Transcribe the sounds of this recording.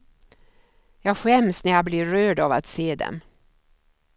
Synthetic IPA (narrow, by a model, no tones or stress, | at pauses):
jɑːɡɧɛmsnæɾjɑblɪːøːɖɑva̰t̪seːd̪ɛ̰m